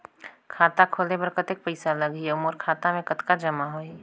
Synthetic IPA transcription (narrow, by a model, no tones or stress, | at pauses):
kʰaːt̪akʰoːlepɐɾkət̪ɪk̚pəɪsalɐɡieʊmoɾkʰaːt̪amẽkɐt̪kad͡ʒɐmaɦoːi